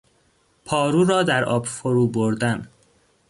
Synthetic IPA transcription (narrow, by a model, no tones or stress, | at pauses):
pʰɒːɾuːɾɒːd̪æɾʔɒ̰ːbfoɾuːboɾd̪æn